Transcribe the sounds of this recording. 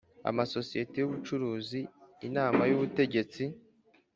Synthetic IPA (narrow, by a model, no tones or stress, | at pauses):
a̰maso̞sije̞tejuβut͡ʃuɾuːziːnaːmajuβute̞ɟe̞t͡si